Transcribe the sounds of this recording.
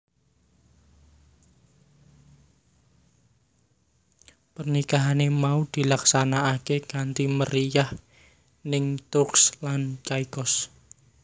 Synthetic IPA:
pərnikaɦanemaud̪̥i̤laksanaːkeɡ̥ant̪iməɾijah | nɪŋt̪ʊkslant͡ʃaikɔs

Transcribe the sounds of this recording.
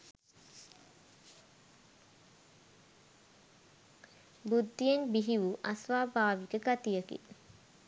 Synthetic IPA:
bud̪ːijeŋbiɦiʋuʔasʋaːbaːʋikəɡat̪ijəkḭ

